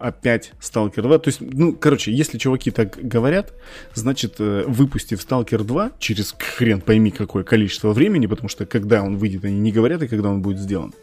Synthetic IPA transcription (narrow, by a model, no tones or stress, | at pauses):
ɐpʲætʲst̪alˠkʲɪrd̪vat̪oɪsʲtʲnukɐɾo̞t͡ɕɪjesʲlʲɪt͡ɕʊvɐkʲit̪akɡəvɐɾʲat̪ | znat͡ɕɪt̪əːvɨpʊsʲtʲɪfst̪alˠkʲɪrd̪vat͡ɕɪɾʲɪskxɾʲenpɐjmʲikɐko̞jəkɐlʲit͡ɕɪ̥st̪vəvɾʲemʲɪnʲɪpət̪ɐmuʂt̪okɐɡd̪ao̞nvɨjdʲɪt̪ɐnʲinʲɪɡəvɐɾʲat̪ɨkɐɡd̪ao̞nbudʲɪt̪zʲdʲe̞lˠə̰n